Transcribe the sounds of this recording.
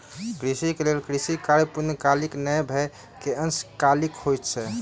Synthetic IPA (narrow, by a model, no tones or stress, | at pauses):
kɾisikelelkɾisikaɾipunəkaliknəjbʱɛ | keənskalikhojt̪t͡ʃʰɛ